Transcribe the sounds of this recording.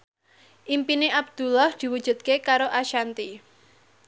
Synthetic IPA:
ʔimpineʔab̚d̪̥ṳlɔhd̪̥i̤wud̥ʒ̥ṳt̪̚kekaɾoʔaʃant̪i

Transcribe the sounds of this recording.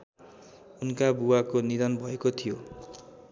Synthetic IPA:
unkabuwakoniɾʌnbʱʌekot̪ʰijo

